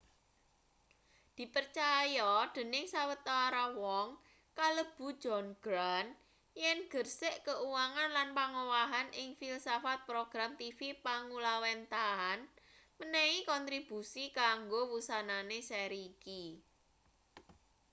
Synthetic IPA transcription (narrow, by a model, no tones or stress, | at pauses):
d̪̥i̤pərt͡ʃajɔd̪̥ə̤nɪŋsawət̪ɔɾawɔŋ | kaləb̥ṳ̥d͡ʒɔnɡ̥ɾan | jɛnɡ̥ərsɪʔkəuwaŋanlanpaŋowaɦanʔɪŋfilsafat̪̚pɾoɡ̥ɾamt̪ifipaŋulawɛnt̪aan | mənɛikɔnt̪ɾib̥ṳsikaŋɡowusananesɛɾiːki